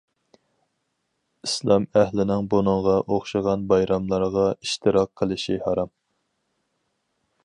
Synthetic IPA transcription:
islˠɑmæhlɪnɪŋbonɨŋʁɑʔoχʃɨʁɑnbɑjɾɑmlˠɑɾʁɑiʃt̪ʰɨɾɑq̚ʰːəlˠɪʃihɑɾɑm

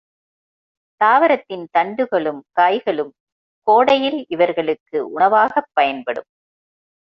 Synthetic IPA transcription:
t̪aːʋɐɾɐt̪ːɪnt̪ɐɳɖɯɣɐɭɯmkaːjɣɐɭɯm | koːɽɐjɪlɪʋɐɾɣɐɭɯkːɯʔʊɳɐʋaːɣɐpːɐjɐnpɐɽɯ̰m

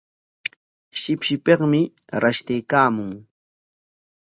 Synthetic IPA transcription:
ʃɪpʃɪpeχmɪɾaʃt̪ɪjkaːmʊŋ

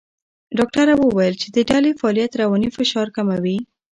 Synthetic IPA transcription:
ɖɑkʈaɾawəwajəlt͡ʃed̪əɖɑlefaːlijat̪ɾawɑnifɪʃɑɾkamawi

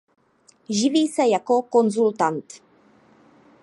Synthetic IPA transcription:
ʒɪviːsɛjakokonzult̪ant̪

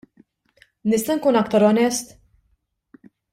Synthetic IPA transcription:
nɪst̪ɐnkuːnɐkt̪ɐɾɔnɛst̪

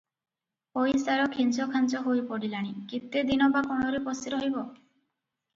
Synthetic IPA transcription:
pojsaɾɔkʰinsɔkʰant͡ʃɔɦojpɔɽilaɽ̃ikit̪ːed̪inɔbakɔɽ̃ɔɾipɔsiɾɔɦjbɔ

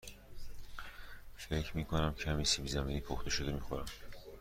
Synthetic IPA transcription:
fe̞cʰmiːkʰo̞næmcʰæmiːsibizæmiːniːpʰoxt̪e̞ʃo̞d̪emiːxoɾæm

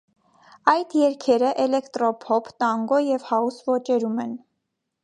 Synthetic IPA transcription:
ɑjd̪jɛɾkʰɛɾəʔɛlɛkt̪ɾɔpʰɔpʰt̪ɑŋɡɔjɛvhɑusvɔt͡ʃɛɾumɛn

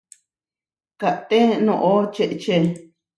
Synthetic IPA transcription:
kaʔt̪enõʔot͡ʃeʔt͡ʃe

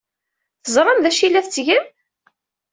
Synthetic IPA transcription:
θəzˤɾˤɑmðæʃilːæθt͡sːʝən

